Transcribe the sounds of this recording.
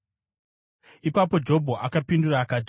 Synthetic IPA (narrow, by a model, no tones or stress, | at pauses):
ipapo̞d͡ʒo̞bʱoʔakapinduraːkat